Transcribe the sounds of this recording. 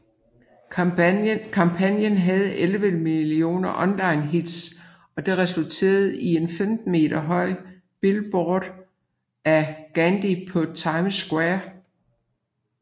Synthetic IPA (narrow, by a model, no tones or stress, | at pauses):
kʰɑ̈mpʰænjənɦæð̞̩ˠʔelʋelmilio̝̰ːnɐʔɒ̽nlɑ̈ɪnɦid̥s | ɒ̽d̥e̝ʁɛs̬ult͡sʰe̝̰ːɐð̞̩ˠie̝nfemd̥n̩me̝̰ːɾ̥ɐɦɒ̽ɪ̰ | b̥ilb̥ɒːd̥ | ʔæɡ̥ænd̥ipʰɒ̽t͡sʰɑ̈ɪmsɡ̥weɐ